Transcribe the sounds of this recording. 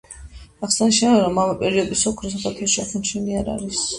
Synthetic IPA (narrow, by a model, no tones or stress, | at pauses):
aχsaniʃɛnɛɾɔmamapʼɛɾiɔd̪isɔkʰɾɔs̬akʰaɾt̪ʰɛlˠʃakʰunt͡ʃʰɛniaɾa̰ɾis